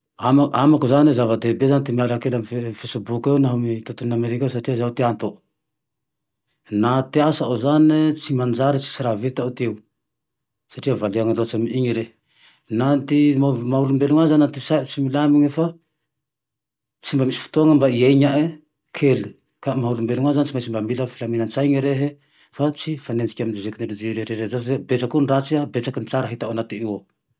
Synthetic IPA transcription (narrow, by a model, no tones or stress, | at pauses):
amaamakuzanizavad̪ebezanit̪imialakelamfefesubukewnaɦomit̪ot̪unameɾikaws̬aʈ͡ʂiazaut̪iant̪o | nat̪iasaʔozanit͡simand͡ʒaɾit͡si̥siɾavit̪aut̪ew | saʈ͡ʂiavaliaŋaɾot͡samiiŋiɾe | nant̪imaulumbeluŋazanant̪isat͡similamiɲefa | t͡simbamisi̥fi̥t̪oaŋəmbaiajɲaʔe | kʰeli | kamaulumbeluŋazanit͡simajsimbamiləfilamenant͡sajɲiɾeɦe | fat͡sifanend͡zikʲamind͡ʒizekinelud͡ʒiɾeɾeɾezazebet͡sakunrat͡siabet͡sakinit͡saɾaɦit̪awanat̪iniwa